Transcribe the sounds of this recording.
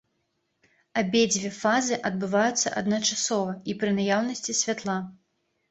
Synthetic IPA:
abʲed͡zʲvʲeɛfazɨʔɐd̪̚bɨvajut̪sːɐ̰ʔɐd̪nɐt͡ʂasɔvɐipɾɨnajawnɐsʲt͡sʲisʲvʲat̪lˠa

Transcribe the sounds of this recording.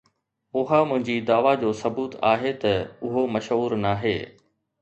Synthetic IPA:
ʊɦamʊ̃ɦɪ̃ɲd͡ʑid̪aːʋad͡ʑoːsɐbuːt̪a̰ːɦet̪ɐʊɦomɐʃɦuːɾnaːɦḛː

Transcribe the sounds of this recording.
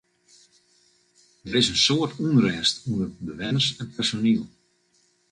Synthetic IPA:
dəɾɪsənsoərtʰunrɛːstunəbəʋɛnərsɛnpɛrsonilˠ

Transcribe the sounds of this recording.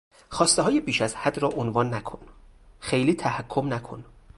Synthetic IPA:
xɒːst̪eɦɒːjebiːʃæzhæd̪rɒːʔonvɒːnːækʰonxe̞jliːt̪ʰæhækʰːomnækʰo̰n

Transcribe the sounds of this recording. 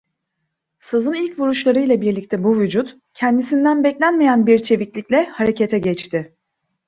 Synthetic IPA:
sɯzɯnilʲcvuɾuʃlˠaɾɯjlˠabiɾlʲic̚t̪ʰɛbuvyd͡ʒut̪ | cʰɛnd̪isind̪ænbɛclʲænmejænbiɾt͡ʃʰe̞viclʲicʲlʲɛhaɾe̞cʰet̪ʰɛɟɛt͡ʃt̪ʰɪ

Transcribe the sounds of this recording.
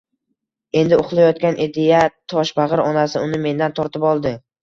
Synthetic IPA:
e̞nd̪ɪʊχlˠajɒt̪̚kʲanʔed̪ejat̪ʰɒʃbaʁɨɾɒnasɪʊnɪme̞nd̪ant̪ʰɒɾt̪ɪpɒlˠd̪ɪ

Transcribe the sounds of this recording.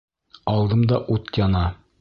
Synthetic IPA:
ɒlˠd̪ɤmd̪ɑʔut̪jɒnɑ

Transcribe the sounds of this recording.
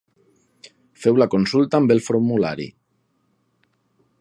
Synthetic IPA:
fewlakonsulˠt̪aːmbelˠfoɾmula̰ɾḭ

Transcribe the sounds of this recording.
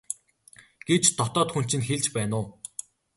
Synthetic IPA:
ɡ̥ewt͡ɕt̪ʰɔt̪ɔːt̪xun̥t͡ɕɪ̆nxeɮt͡ɕpæːnʊː

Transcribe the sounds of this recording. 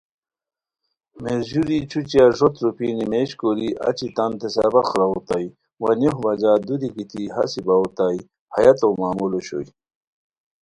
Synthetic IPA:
meʑuɾit͡ɕʰut͡ɕijaʐot̪ɾupinimeɕkoɾiʔɐ̰t͡ɕit̪ɐnt̪esabɐxɾɐot̪ai | wɐnoɦbɐd͡ʑaːd̪ud̪ikit̪iɦɐ̰sibaut̪ai | hɐjɐt̪owmaːmuloɕo̰j

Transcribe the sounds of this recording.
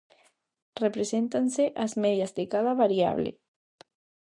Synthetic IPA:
repɾesent̪anseʔazmeðjazðekaðaβaɾia̰β̞lḛ

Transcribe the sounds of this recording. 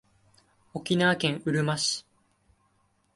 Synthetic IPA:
o̞kʲinaːkẽ̞ɰ̃ɯ̟ɾɯ̟maɕi̥

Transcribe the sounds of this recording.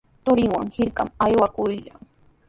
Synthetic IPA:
t̪ʊɾɪŋwa̰ŋhɪɾka̰majwakʊjʎaŋ

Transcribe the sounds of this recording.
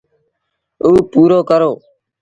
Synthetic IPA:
uːpuːɾoːkəɾoː

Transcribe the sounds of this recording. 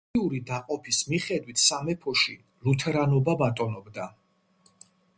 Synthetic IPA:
uɾid̪aqʼɔpʰismiχɛd̪wit̪ʰsamɛpʰɔʃi | lut̪ʰɛɾanɔbabat̪ʼɔnɔbd̪a

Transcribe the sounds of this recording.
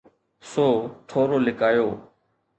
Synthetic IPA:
soːʈʰoːɾoːlɪkaːjoː

